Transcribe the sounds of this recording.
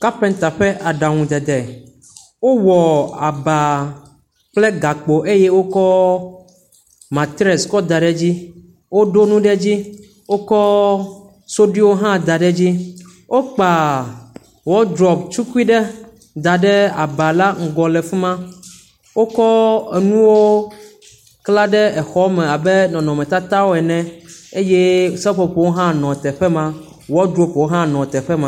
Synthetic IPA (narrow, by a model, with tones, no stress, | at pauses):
ka˦pɛ˨n˦t̪a˨ɸɛ˦ʔa˨ɖa˨ŋũ˨d̪ɛ˨d̪ɛ˨ | wo˦wɔ˨a˨ba˨ | k͡ple˦ɡa˨k͡po˨ʔe˦jɛ˦wo˦kɔ˦ | mã˨t̪i˦ɾe˨skɔ˦d̪a˨ɖɛ˦d͡ʑi˦ | wo˦ɖo˦nũ˦ɖɛ˦d͡ʑi˦ | wo˦kɔ˦ | so˦ɖi˦wo˦ɦã˦d̪a˨ɖɛ˦d͡ʑi˦ | wʔo˦k͡pa˨ | wɔ˦d̪ɾɔ˨pt͡ʃu˦ku˦i˦ɖɛ˦ | d̪a˨ɖɛ˦a˨ba˨la˦ŋ̩˨ɡɔ˨lɛ˨fi˦mã˦ | wo˦kɔ˦e˨nũ˦wo˦ | kla˦ɖɛ˦ɛ˨xɔ˦mɛ̃˨a˨bɛ˦nɔ̃˨nɔ̃˨mɛ̃˨t̪a˦t̪a˦wo˦ɛ˨nɛ̃˨e˦jɛ˦˨sɛ˦ɸɔ˨ɸo˨wo˦ɦã˦nɔ̃˨t̪ɛ˨ɸɛ˦mã˦ | wɔ˦d̪ɾɔ˦pwo˦ɦã˦nɔ̃˨t̪ɛ˨ɸɛ˦mã˨˦˨